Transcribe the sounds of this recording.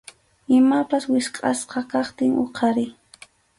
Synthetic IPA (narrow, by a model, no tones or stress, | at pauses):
ɪmapaswɪsqʼɑ̰sqɑkɑχt̪ɪŋʔo̰qʰɑɾɪ